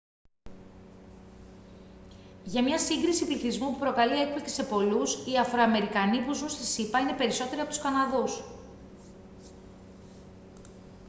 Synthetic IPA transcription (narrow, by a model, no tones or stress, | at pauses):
ʝɐmɲɐsiŋɡɾisipliθizmupupɾo̞kɐliek̚pliksi̥se̞po̞lusiɐfɾo̞ɐme̞ɾikɐnipuzunst̪isipɐine̞pe̞ɾiso̞t̪e̞ɾiɐpot̪u̥skɐnɐðus